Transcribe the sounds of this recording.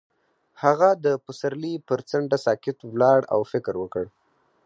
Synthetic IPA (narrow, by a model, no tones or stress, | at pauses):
haɣad̪əpəsaɾlipəɾt͡saɳɖasɑkɪt̪wlɑɽa̰wfɪkɾwəkəɽ